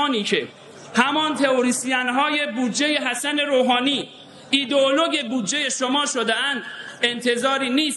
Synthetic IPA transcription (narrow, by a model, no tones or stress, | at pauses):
niːcʰe | hæmɒːnt̪ʰe̞oɾiːsijænɦɒːje̞buːd̪d͡ʒeje̞ɦæsæne̞ɾoːɦɒːniː | iːd̪oolo̞ɟe̞buːd̪d͡ʒe̞je̞ʃomɒːʃod̪eænd̪̥ent̪ʰe̞zɒːɾiːniːst̪